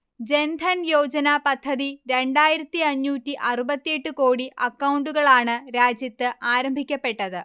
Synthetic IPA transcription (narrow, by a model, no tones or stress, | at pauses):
d͡ʑe̞nd̪ʱɐnjo̞ːd͡ʑɐnɐpɐd̪ʱʰːɐðiɾe̞ɳɖaːjiɾɐt̪ːiɐɲːuːtːiʔɐrubɐt̪ːjeʈːuko̞ːɽiʔɐkːɐwuɳɖuɣɐɭaːɳɨɾaːd͡ʑjɐt̪ːɨʔaːɾɐmbʱikʲːɐpːe̞ʈːɐðɨ